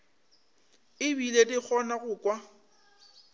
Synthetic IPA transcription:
ɪbiledɪk͡xʰɔnaɣʊkʼwa

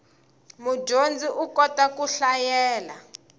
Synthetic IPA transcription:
mud͡ʒond͡zʱiʔukɔtʼakuɬajɛːla

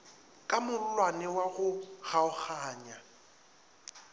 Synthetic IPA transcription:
kʼamʊl̩lwanɪwaɣʊɣaʊχaːɲa

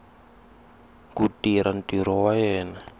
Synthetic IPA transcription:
kutiɾand̪iɾɔwajɛna

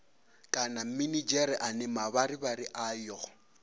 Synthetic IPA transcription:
kʼanam̩minid͡ʒɛɾɪʔanɛmabaɾɪbaɾɪʔaːjɔ

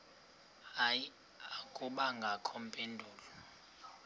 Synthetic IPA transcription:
aj | akʼuɓaŋɡʱakʰɔm̩pʼendʱuːlɔ

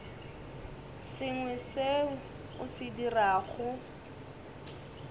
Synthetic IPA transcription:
sɪŋwɛse | ʊsɪdiraːɣʊ

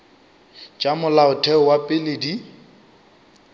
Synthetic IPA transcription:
t͡ʃʼamʊlaʊtʰɛʊwapʼɪledi

